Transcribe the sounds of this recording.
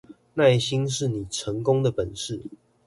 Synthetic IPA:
na˥˨ɪɕi˦nʂɻ̩˥˩ni˨˩ʈ͡ʂʰə˨˦ŋkʊ˦ŋd̪ə˨pə˨˩nʂɻ̩˥˨

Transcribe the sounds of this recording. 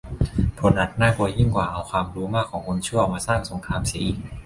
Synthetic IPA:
pʰo˨˧˦nʔa˨˩t̪̚naː˥˩kʰu˧ji˥˩ŋkwaː˨˩ʔa˧wkʰwaː˧mɾuː˨˦˥maː˥˩kʰːɔː˩˦ŋkʰo˧nt͡ɕʰu˥˩maː˧saː˥˩ŋso˨˩˦ŋkʰaː˧msiː˨˦ʔiː˨˩k̚

